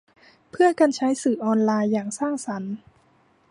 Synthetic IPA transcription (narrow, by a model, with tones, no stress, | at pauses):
pʰɯ˥˩ɐka˧nt͡ɕʰa˦˥jsɯː˨˩ʔɔː˧nlaː˧jːaː˨˩ŋsaː˥˩ŋsa˩˦n